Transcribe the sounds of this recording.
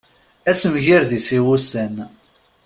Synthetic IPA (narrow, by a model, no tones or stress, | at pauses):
æsəmʝiɾðisiwusən